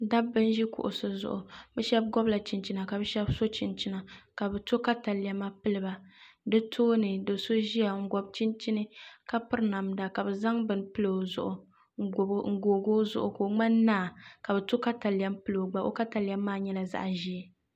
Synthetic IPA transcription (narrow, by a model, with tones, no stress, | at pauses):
da˦bːɨ˦n˦ʒi˦kʊ̰˨ʔʊ̰˨sɨ˦zʊ̰˨ʔʊ˨bɛ˦ʃɛ˦b̚ɡɔ˦bla˨t͡ʃi˨nt͡ʃi˦na˨ka˨bɛ˦ʃɛ˦bso˦t͡ʃi˨nt͡ʃi˦na˨ka˨bɛ˨to˦ka˦ta˨lja˨ma˦pɨ˦lɨ˦ba˨dɨ˦tʰoː˦nɨ˨do˨so˦ʒi˦a˨ŋ̩˦ɡɔ˨b̚t͡ʃi˦nt͡ʃi˦nɨ˦ka˦pɨ˦ɾɨ˦na˨mda˨ka˨bɛ˨za˦ŋbɨ˨n˦pɨ˦lo˨zʊ̰˦ʔʊ˨˦˨ | ŋ̩˨ɡoː˨ɡoː˦zʊ̰˦ʔʊ˨ko˨ŋ͡ma˦nː˦aː˦˨ka˨bɛ˨to˦ka˦ta˨la˦mpɨ˦lo˨ɡ͡ba˨ʔo̰˦ka˦ta˨la˦mːaː˦ɲɛ˦la˨za̰˦ʔʒi˦ɛ˨